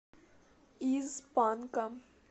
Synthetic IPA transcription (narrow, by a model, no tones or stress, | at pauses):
iːzpaːnkam